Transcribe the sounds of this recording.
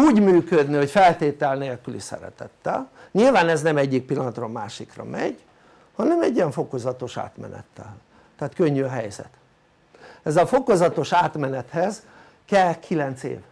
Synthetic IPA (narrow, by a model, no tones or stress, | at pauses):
uːɟmyːkød̪nio̞cfɛlt̪eːt̪ɛlneːlkylisɛ̰ɾɛ̰t̪ɛt̪ːɛ̰lɲilvaːnɛznɛmɛɟːik̚pilːɒnɒt̪rɒːmaːʃikrɒ̰mɛ̰ɟ | hɒnɛmɛɟːiɛɱfo̞ko̞zɒt̪o̞ʃa̰ːt̪mɛ̰nɛ̰t̪ːɛ̰l | t̪ɛːt̪køɲːyɒɦɛjzɛ̰t̪ | ɛzɒfo̞ko̞zɒt̪o̞ʃaːt̪mɛnɛt̪hɛz | kɛlkʰilɛnt̪sḛːv